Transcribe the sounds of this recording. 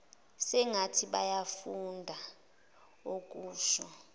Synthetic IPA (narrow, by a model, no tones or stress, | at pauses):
sɛŋatʰiɓajafundʱa | ok̬ʼuːʃɔ